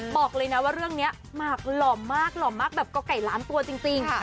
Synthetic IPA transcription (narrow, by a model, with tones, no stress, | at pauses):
bɔː˨˩k̚lɤː˧jna˦˥waː˥˩ɾɯ˥˩əŋni˦˥ɐ | maː˧˩k̚lɔː˨˩mːaː˥˩k̚lɔː˨˩mːaː˥˩k̚bɛː˨˩p̚kɔ˥˩ka˨˩jlaː˨˦˥mt̪u˧ɐt͡ɕi˧ŋt͡ɕi˧ŋ˩